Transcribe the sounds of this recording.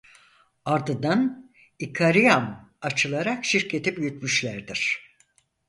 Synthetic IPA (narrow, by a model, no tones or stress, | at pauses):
aɾd̪ɯnd̪an | ikʰaɾijamat͡ʃʰɯlˠaɾakʃiɾcʰe̞t̪ʰibyjyt̪myʃlʲæɾd̪iɾ̥